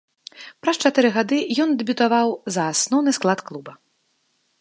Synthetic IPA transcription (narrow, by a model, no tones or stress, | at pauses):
pɾɐst͡ʂat̪ɨɾɨɣad̪ɨjɔnd̪ɛbʲut̪avawzɐːsnɔwnɨsklˠat̪klˠubɐ